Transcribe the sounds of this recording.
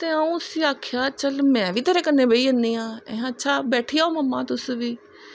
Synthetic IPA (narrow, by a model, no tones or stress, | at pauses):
t̪eːaũːsiːaːkʰjaːt͡ʃəlmɛ̃ːʋiːt̪eːɾeːkənːẽːbəiːənd̪ĩːãːɛ̃ɦətːʃʰaːbɛːʈʰiːaːoːməmːãːt̪ʊsʋiː